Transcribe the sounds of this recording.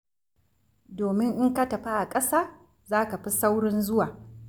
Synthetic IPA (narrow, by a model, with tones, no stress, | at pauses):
doː˨mɪ˦ŋʔɪ˦ŋka˦tɐ˨ɸa˦ʔa˨kʼɐ˦saː˦ | zaː˦ka˨ɸi˦sa˦wɽɔ˦nzʊ˦waː˨